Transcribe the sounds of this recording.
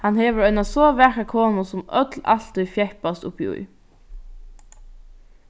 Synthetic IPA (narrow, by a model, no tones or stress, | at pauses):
hanheːʋəɹœɪnasoːʋæɹkakʰoːnʊsʊmœ̰t̪la̰ɬt̪ʏjfjɛhpast̪ʊ̰piʊ̰j